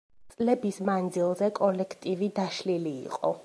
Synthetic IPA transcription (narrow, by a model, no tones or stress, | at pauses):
t̪sʼlɛbismand̪zilˠzɛkʼɔlɛkʰt̪ʼivid̪aʃlilḭːqʼɔ̰